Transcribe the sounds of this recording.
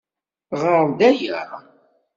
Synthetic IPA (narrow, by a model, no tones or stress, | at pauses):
ʁəɾˤd̪æjə̰ɾˤ